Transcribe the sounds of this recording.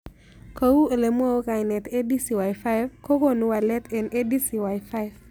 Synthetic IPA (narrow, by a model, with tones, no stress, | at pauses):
ko˨˦u˦e˨le˨mwo˦o˦ka˨jnɛ˨t̪e˦di˦si˨wa˨jfa˦ɪ˦vko˦ko˦nu˦wa˨lɛ˦t̪ʰe˨nʔe˦di˦si˨wa˨jfa˦ɪv